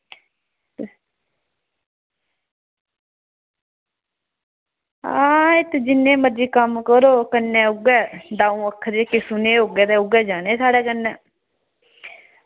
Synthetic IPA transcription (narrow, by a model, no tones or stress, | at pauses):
a̰ːɪt̪d͡ʒɪnːeːməɾd͡ʒiːkəmkəɾoːkənːɛ̃ːʊɡɛːd̪aːũːəkʰːəɾeːkesʊneːoɡɛːt̪eːʊɡɛːd͡ʒaːneːsaːɽɛːkənːɛ̃ː